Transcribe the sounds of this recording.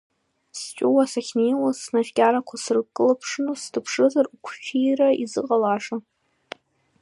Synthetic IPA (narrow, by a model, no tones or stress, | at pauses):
st͡ʃʼuwasaχʲnejlasnafkʲʼaɾakʷʰasrɨkʼːɨlapʰʂɨnostʰɨpʰʂɨzarukʷʰʃijraizɨqʼalaʂa